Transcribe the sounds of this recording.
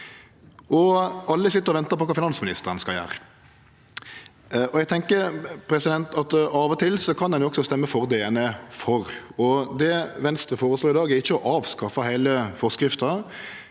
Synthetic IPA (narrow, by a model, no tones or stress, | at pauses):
ɔʔɑlːəsɪt̪ːəɾɔʋɛnt̪əɾpɔkɑːfɪnɑnsmɪnɪst̪əɾən̩skɑljæ̰ːɾə | ɔɛɡ̚t̪ʰɛŋkəɾpʰɾɛsɪd̪ɛnt̪ɑt̪ɑːʋɔt̪ʰɪlsɔkʰɑnd̪ɛnjʊɔɡsɔst̪ɛmːəfɔʁd̪eːɛnəfɔʁɔd̪ɛʋɛnst̪ɾəfoːɾəsloːɪd̪ɑːɡɛʁɪçːəɔʔɑːʋskɑfɑɦæɪləfɔʁskɾɪft̪ɑ